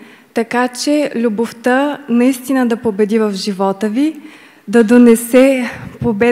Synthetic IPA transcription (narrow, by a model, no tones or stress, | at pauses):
t̪ɐkat͡ʃɛlʲuboft̪ənɐist̪inəd̪ɐpobɛd̪ivɐfʒivɔt̪əvi | d̪ɐd̪onɛsɛpobɛ